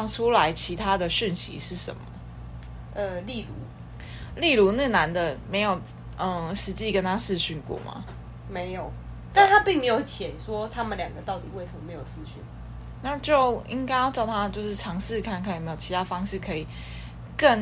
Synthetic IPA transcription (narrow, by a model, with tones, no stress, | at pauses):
ŋʈ͡ʂʰu˥la˧˦ɪt͡ɕʰi˧˥t̪ʰa˦d̪ə˨ɕi˥˩nɕḭ˧˥ʂɻ̩˥˩ʂə̰˨˩˦nmə˦ | ʔə˧li˥˨lu˨˧˦ | li˥˩lu˧˥nə˥˩na˧˦nd̪ə˨me˧˥ɪjo˨˩ʊ | ʔə˧˩ʂɻ̩˧˦t͡ɕi˥˨˩kə˦nt̪ʰa˦s̩˥˧ɕy˥˩nkwɔ̰˥˩ma̰˨˦ | me˨˧˦ɪjo˨˩ʊ | t̪a˥˩nt̪ʰa˦pi˥˩ŋme˧˥jo˨˩ʊt͡ɕʰjɛ˨˩nʂwɔ˦t̪ʰa˥mə˨nljɑ˨˩ŋɡə˦t̪ɑ˥˩ʊt̪i˨˩we˥˩ɪʂə˨˩mə˨me˧˦ɪjo˨˩sɹ̩˥˧ɕy˥˩n | na˥˧t͡ɕjo˥˩ʊḭ˦˥ŋka˥ɪjɑ˥˧ʊʈ͡ʂɑ˥˩ʊt̪ʰa˥t͡ɕjo˥˧ʊʂɻ̩˥˩ʈ͡ʂʰɑ˧˥ŋʂɻ̩˥˧kʰa˥˩nkʰa˥˩jme˧˥jo˨˩t͡ɕʰi˨˧t̪ʰa˥fɑ˥ŋʂɻ̩˥˩kʰɤ˧˥i˨˩ | kə˥˩n